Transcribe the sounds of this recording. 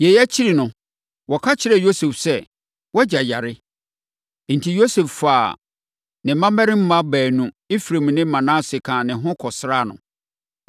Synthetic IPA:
jɛ˨jæ˦t͡ɕʰi˦ɾi˨nʊ̃˨ | wɔ˨kʰa˦t͡ɕʰɪ˨ɾɛ˨jo˦se˨fsɛ˦˨ | wɔ˦d͡ʑa˨ja˨ɾɪ˦ | n̩˨tʰi˨jo˦se˨ffaː˨ | nɪ̃˨˦mã˦mɛ̃˦ɾɪ̃˦m̩˦mã˦bæː˨nũ˦ | i˦fɾẽ˨m˨nɪ̃˦mã˨nã˦sɪ˨kʰã˨nɪ̃˨ɦʊ̃˦kʰɔ˨sɾa˦˨nʊ̰̃˨

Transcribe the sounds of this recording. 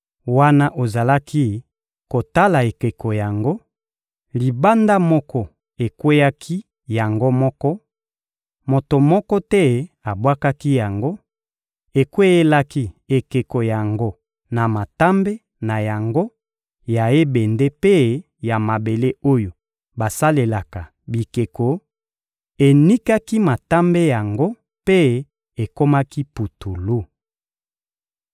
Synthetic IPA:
wa˦na˦ʔo˨za˨la˦ki˦ | ko˨ta˦la˨e˨ke˨ko˨ja˨ŋɡo˦ | li˨ba˦nda˦mɔ˦kɔ˦ | e˨kwe˦ja˦kʰi˦ | ja˨ŋɡo˦mɔ˦kɔ˦ | mo˨to˨mɔ˦kɔ˦tɛ˦a˨bwa˦ka˦ki˦ja˨ŋɡo˦ | e˨kwe˦je˦la˦ki˦e˨ke˨ko˨ja˨ŋɡo˦ | na˨ma˨ta˦mbe˦ | na˨ja˨ŋɡo˦ | ja˨e˦be˨nde˦pe˦ | ja˨ma˨be˨le˦o˦jo˨ | ba˨sa˦le˨la˨ka˨ | bi˨ke˨ko˨ | e˨ni˦ka˦ki˦ma˨ta˦mbe˦ja˨ŋɡo˦ | pe˦ | e˨ko˦ma˦ki˦pu˨tu˨lu˦

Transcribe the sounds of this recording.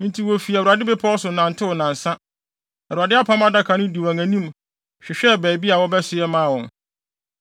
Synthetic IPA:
n̩˦tʰi˨wɔ˨fi˨æ˨wu˨ɾa˨dɪ˦be˦pʰɔ˦sʊ˨nã˨n̩˨tʰɪ˦ʊ˨nã˨n̩˨sã˦ | ɛ˨u˨ɾa˨dɪ˦a˦pʰã˦m˦a˦da˦kʰã˨nʊ̃˦di˨wæ̃˨ŋæ̃˨nĩ˦m | ɕᶣɪ˨ɕᶣɛ˦bɛ˨bi˦a˨wɔ˦bɛ˦sɪ˨ɛ˦mãː˦˨wɔ̃˨n

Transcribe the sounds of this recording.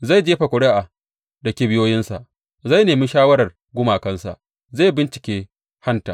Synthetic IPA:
za˦˨jd͡ʒeː˦ɸa˨kʷʊ˨ɽe˦ʔa˨ | dɐ˨kʲeː˦bɪ˦joː˦jɪ˦nsa˨ʔ | za˦˨jneː˨mɪ˦nʃaː˦wɐ˦ɽɐ˨r | ɡʷʊ˦maː˨kɐ˦nsa̰˨ | zaː˦˨jbɪ˦nt͡ʃɪ̥˨kʲeː˦ | ha˦nta̰ː˨

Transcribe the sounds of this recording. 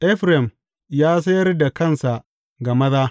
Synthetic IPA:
ʔɛ˦ɸɾɛ˨m | jaː˦s̬ɐ˦jɐ˦rda˨kɐ˦˨nsa˨ʔ | ɡa˨mɐ˦ðaː˦

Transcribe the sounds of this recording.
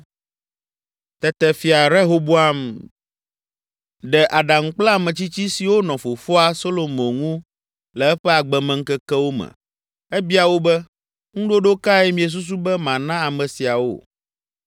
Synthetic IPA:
t̪ɛ˨t̪ɛ˨fi˨a˨ɾɛ˦ɦo˦bo˦a˦m | ɖɛ˨ʔa˨ɖa˨ŋ̩˦k͡pla˦˨mɛ̃˨t͡ɕi˦t͡ɕi˦si˨wo˦nɔ̃˨fo˨fɔ˦a˨so˦lo˨mõ˨ŋũ˦ | lɛ˨ɛ˦ɸɛ˦a˨ɡ͡bɛ˨mɛ̃˨ŋ̩˦kɛ˦kɛ˦wo˦mɛ̰˨ | ɛ˦bi˦a˨wo˦bɛ˦ | ŋũ˦ɖo˦ɖo˦ka˦ɛ˦mĩ˨ɛ˨s̬u˦s̬u˦bɛ˦mã˨nã˦a˨mɛ̃˨si˨a˨wo̰˦˨

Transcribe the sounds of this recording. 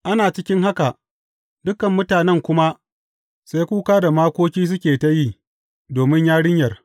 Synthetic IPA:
ʔa˦naː˨t͡ʃɪ˦kʲɪ˦ŋɦa˦ka˨ʔ | dʊ˦kɐ˨mːʊ˦taː˨nɛ˦˨ŋkʷʊ˦ma˦ | sa˦jkʷuː˦kaː˦da˨maː˦kʷoː˦kʲiː˦s̬ʊ˦kʲeː˨ta˦jiː˦ | doː˨mɪ˦ɲjaː˦ɽɪ˦ɲjɐ˨r

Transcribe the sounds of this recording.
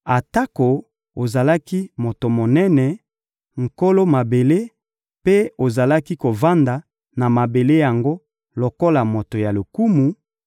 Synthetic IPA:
a˨ta˦ko˨ | o˨za˨la˦ki˦mo˨to˨mo˨nɛ˦nɛ˨ | ŋ̩˨ko˦lo˦ma˨be˨le˦ | pe˦o˨za˨la˦ki˦ko˨va˦nda˨ | na˨ma˨be˨le˦ja˨ŋɡo˦ | lo˨ko˦la˨mo˨to˨ja˨lo˨ku˦mu˨

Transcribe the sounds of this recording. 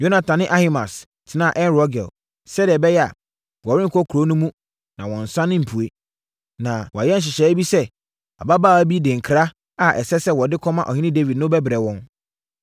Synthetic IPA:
jo˦nã˨tʰã˨nɪ̃˦ʔa˦hi˨mã˨s | tʰɪ˨nã˦˨ʔɛ̃˦nɾɔ˦ɡɛ̰˨l | sɛ˦di˨ɛ˨bɛ˦jɛ˦a̰˨ | wɔ˨ɾɪ˦ŋ˨kʰɔ˦kʰɾo˨˦nũ˦mũ˦ | nã˨wɔ̃˨n̩˨sã˦nɪ̃˦m̩˨pʰu˨e˦ | nã˨wɔ˨a̰˨jɛ˦n̩˨ɕ̬ɪ˨ɕɛ˨˦bi˦sɛ˦ | a̰˨ba˦baː˦˨æ˦bi˦dɪ̃˨ŋ̩˨kʰɾa˦ | a˦˨ʔɛ̰˨sɛ˦sɛ˦wɔ˨dɪ˦kʰɔ̃˦mã˦ʔɔ̰˨hɪ̃˦nɪ̃˦de˦vi˨dnʊ̃˦bɛ˦bɪ˨ɾɛ˨wɔ̃˦n

